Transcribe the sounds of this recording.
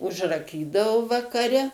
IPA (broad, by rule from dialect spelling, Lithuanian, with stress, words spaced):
ʊʒrɐˈkʲiːdɐʋʊ ʋɐkɐˈrʲɛ